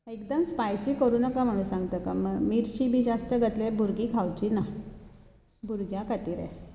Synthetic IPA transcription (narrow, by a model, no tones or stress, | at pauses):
ekd̪əmspajsikəɾuːnəkam̤əɽ̃ũːsãŋɡt̪əka̰məɡmiɾt͡ɕiːbʱiːd͡zast̪əɡət̪lebʱuɾɡikʰawt͡ɕina | bʱuɾɡjakat̪iɾe